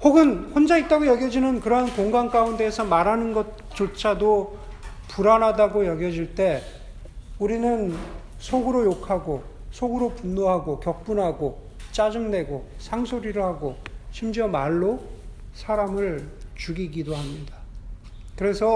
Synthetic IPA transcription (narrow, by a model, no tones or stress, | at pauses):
hoɡɯnɸond͡ʑait̚t͈aɡojʌɡjʌd͡ʑinɯnkɯɾʌɦankoŋɡaŋk͈aunde̞ːsʰʌmaɾanɯnɡʌt̚ | t͡ɕ͈ot͡ɕʰado | puɾanɦadaɡojʌɡjʌd͡ʑiɭt͈e̞ | uɾinɯn | sʰoɡɯɾojokʰaɡosʰoɡɯɾopunːoɦaɡokjʌk̚p͈unɦaɡo | t͡ɕ͈ad͡ʑuŋne̞ɡosʰaŋsʰoɾiɾohaɡoɕʰimd͡ʑiʌmaɭːosʰaɾamɯɭt͡ɕuɡiɡidoɦamɲida | kɯɾe̞sʰʌ